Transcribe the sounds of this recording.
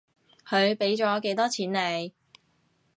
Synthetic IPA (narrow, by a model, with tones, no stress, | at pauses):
kʰɵ˨˧ɥpe˨˥jt͡sɔː˨˥ke˨˥jt̪ɔː˥t͡sʰiː˨˥nle˨˧j